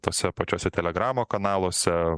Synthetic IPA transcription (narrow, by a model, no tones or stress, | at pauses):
t̪oːsʲɛpɐt͡ʃʲoːsʲɛt̪ʲɛlʲɛɡɾɑːmoːkɐnɑːlˠoːsʲɛ